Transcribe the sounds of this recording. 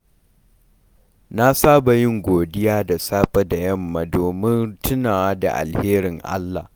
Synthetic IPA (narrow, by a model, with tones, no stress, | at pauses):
na˦saː˦ba˨jɪ˦ŋɡʷoː˨dɪ˦jaː˦da˨saː˦ɸʼɐ˦da˨jɐ˦˨mːa˨doː˨mɪ˦ntʊ˦naː˨wa˦da̰˨ʔa̰˨lheː˦ɾɪ˨ŋʔa̰˦lːa̰˨h